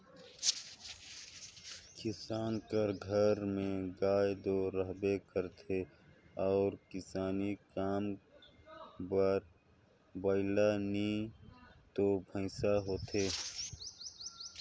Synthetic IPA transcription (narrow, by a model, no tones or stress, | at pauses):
kɪsaːnkəɾɡʱəɾmẽɡaːjd̪oːɾəɦbekəɾt̪ʰeɔːɾkɪsaːnikaːm | bəɾ | bəɪlanĩ | t̪obʱə̃ɪsaɦoːt̪ʰeː